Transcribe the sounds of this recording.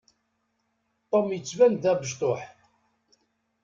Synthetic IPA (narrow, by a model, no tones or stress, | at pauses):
t̪ˤːomjət͡sːvænd̪æbəʒt̪ˤoħ